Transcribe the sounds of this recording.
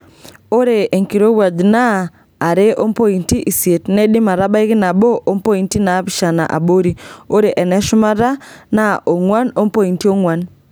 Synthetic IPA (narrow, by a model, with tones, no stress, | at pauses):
o˦ɾe˨e˨ŋki˨ɾo˦wa˨d͡ʒnaː˦˨ | ɾe˦ʔo˦mpo˦i˨nti˦ʔi˨sje˨tnɛ˦ɗɪ˦ma˨ɾa˦ba˦i˦kɪ˦na˨bo˦ʔo˦mpo˦i˨˦nti˦na˨˦pɪ˦ʃa˨na̰˨ʔa̰˨bo˦ɾi˨o˦ɾe˨ʔɛ˨nɛ˦ʃʊ˦ma˦ɾa˦na˦ʔo˨ŋwa˦no˦mpo˦i˨nti˦o˦ŋwa˨n